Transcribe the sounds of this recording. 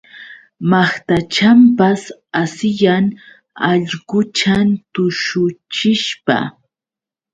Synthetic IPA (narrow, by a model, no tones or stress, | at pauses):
maχt̪at͡ʃampasasɪjaŋ | ɑʎɢʊt͡ʃant̪ʊʃʊt͡ʃɪʃpa̰